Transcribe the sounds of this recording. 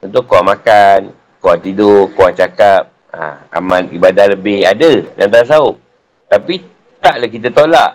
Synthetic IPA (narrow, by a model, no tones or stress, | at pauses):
unt̪ʊkːowaŋmakan | kowaŋt̪idʊkowaŋt͡ʃakap̚ | a̰a̰mãnibadahləbɪhadəda̰nt̪̬aɾas̬aʊʔ̚ | t̪api | t̪aʔlahkit̪ət̪olaʔ